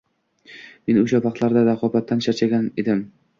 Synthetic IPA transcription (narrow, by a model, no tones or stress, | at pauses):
me̞noʃapɑqt̪lˠaɾd̪aɾaqʰɒbat̪ʰːant͡ʃʰat͡ʃʰaɡʲaned̪ɪm